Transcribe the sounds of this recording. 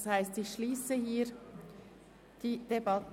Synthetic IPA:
shaɪstɪçʃliːsəhiːɾ | d̥iːd̥ebɑt

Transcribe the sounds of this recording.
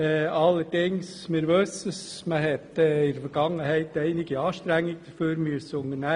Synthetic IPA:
ɑlːəɾd̥ɪŋs | mɪɾʋøsəsməɦɛt̪ɛɪɾfəɾɡ̥ɑŋːəhæɪt̪æɪnɪɡəɑːʃtɾæŋːɪɡd̪̥əføːɾmyəsəʊŋənæ

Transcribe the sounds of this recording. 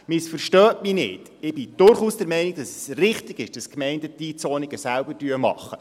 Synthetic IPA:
mɪsfəɾʃtœːminɪ̰t | ɪb̥ɪd̥ʊɾχuːsd̥ɛɾmɛɪniɡ̚d̥ɑsɛsrɪχtɪɡ̥ɪʃd̥ɑskmɛɪndədit͡sɔːniɡ̥əsælbədyəmɑ̰χːə

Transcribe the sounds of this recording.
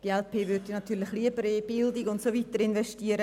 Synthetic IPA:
d̥iɛlpʰeːvʏɾdinat̪ʰyːlɪxliəbəɾib̥ɪldɪɡʊntsoviːt̪əɾɪnvɛʃtiəɾə

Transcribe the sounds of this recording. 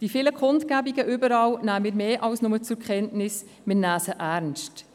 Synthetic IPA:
d̥ifɪləkχʊntkæbiɡəʔʏbəɾɑːlnæːmɪːɾmeːʔɑlsnʊmət͡sʊɾkχɛntnɪs | mɪnæːsəʔæːɾnst

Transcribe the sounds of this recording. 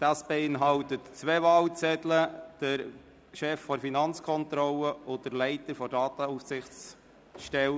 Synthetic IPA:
d̥ɑːsb̥ɛɪnɦɑltətt͡sʋevɑːlt͡sɛdləd̥əɾ | ʃɛfːɔɾfinɑnt͡skʰɔntɾɔləʊdəɾlɛɪtəɾfɔdɑːtəufsɪχt͡s | ʃtɛl

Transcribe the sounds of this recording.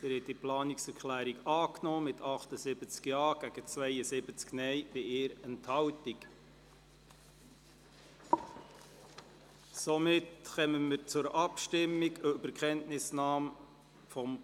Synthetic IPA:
ɪɾhɛtiplɑːnɪksɛɾkχlæːɾiɡɑːknɔːmɪtʰɑχt̪əsɪb̥ət͡skjɑːɡ̥æɡ̥ət͡svɛɪəsɪbət͡sknɛɪb̥ɪʔɪːɾɛnthɑwtik | somɪtχɛməməɾt͡sʊɾɑpʃtɪmːiɡøbəɾkχɛntnɪsnɑːm | fɔm

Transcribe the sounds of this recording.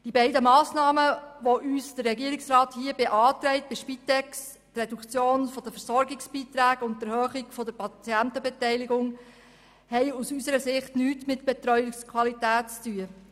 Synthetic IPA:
d̥ibɛɪdəmɑːsnɑːməʋoʔyːsd̥ərːɛɡiəɾɪksrɑːthiəbeʔɑːtɾɛɪt̚b̥ɪʃpit̪ɛks | trɛdukt͡sjoːnfɔd̥əfəɾsɔɾɡɪksb̥iːtɾæːɡʊnt̚dəɾhœːχɪɡfɔdəɾpɑt͡siæntəbɛtɛɪlɪɡʊŋ | hɛɪusysəɾəsɪχtnyːtmɪtb̥ɛtɾœjɪskʰwɑlitæːtt͡styə

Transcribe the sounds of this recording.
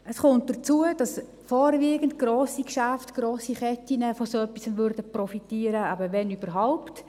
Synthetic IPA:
əsχʊnt̚d̥ət͡suəd̥ɑs | fɔːɾviːɡəntɡ̥roːsikʃæftɡ̥roːsiχɛtinəfɔsoœpːisənvʏɾdəprɔfitiːəɾəæbəʋɛnyb̥əɾɦaʊpt

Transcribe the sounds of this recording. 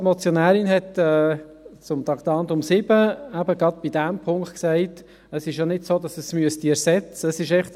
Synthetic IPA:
mɔt͡sjɔnæːɾɪnɦɛtɛː | t͡sʊmt̪ɑktɑːntʊmsɪbəæbəɡɾɑd̪̚b̥idæmpʰʊŋkχtksæɪt | əsɪʃjonɪdsoːdɑsəsmyəstiɛɾsɛt͡səːsɪʃɛχt

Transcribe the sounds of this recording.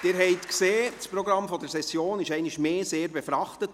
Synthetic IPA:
d̥ɪɾɦɛɪtkseːspɾɔɡɾɑmfɔdəɾsɛsjoːnɪʃɛɪnɪʃmeːseːɾbɛfɾɑχtət

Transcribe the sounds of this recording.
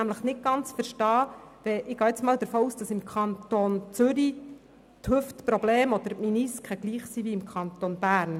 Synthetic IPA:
æmləχnɪt̚ɡ̥ɑnt͡sfəɾʃtɑːʋɛʔɪɡ̥ɑːɪt͡smɑːld̪əɾfoːuːsd̥ɑsɪmkʰɑnt̪ont͡sʏɾi | thɵftpɾɔbleːmɔd̪əɾminiskʰχəɡ̥liːχsiʋiɪmkʰχɑnt̪onb̥æːɾn

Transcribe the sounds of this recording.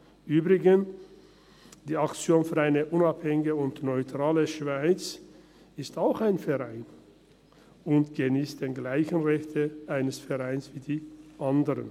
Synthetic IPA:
ʔyːbʁɪɡən | d̥iːakt͡sjoːnfyːɐaɪnəʔʊnaphɛŋɪɡəʊntnɔʏtʁ̥aːləʃv̥aɪt͡s | ɪstaʊxaɪnfɛɐʁaɪn | ʊntɡ̥əniːstd̥eːnɡlaɪçən̩ʁɛçtʰəʔaɪnəsfɛɐʁaɪnsv̥iːdiːʔandəʁə̰n

